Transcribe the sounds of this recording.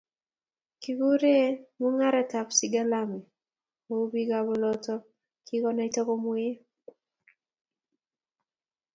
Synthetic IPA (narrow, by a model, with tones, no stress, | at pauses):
ki˨ɡu˦ɾe˦mu˦ŋa˦ɾɛ˨ta˨psi˨ɡa˦la˦mɛ˨ | o˦bi˦ɡabɔ˦lɔ˦tɔ˦ | kʰi˦kɔ˦na˦tɔ˦kɔ˦mwe˦